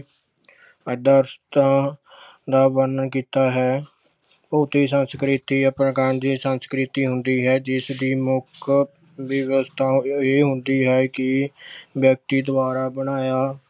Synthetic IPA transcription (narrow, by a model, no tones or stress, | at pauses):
əd̪əɾst̪ãː | d̪aːbənkiːt̪aːɦɛː | poːt̪iːsənskɾɪt̪iːəpɾəkənd͡ʒiːsənskɾɪt̪iːɦʊnd̪iːɦɛːd͡ʒɪsd̪iːmʊkʰ | ʋɪʋəst̪ʰaːeːɦʊnd̪iːɦɛːkɪbjək̚t̪iːd̪ʊbaːɾaːbəɽaːjaː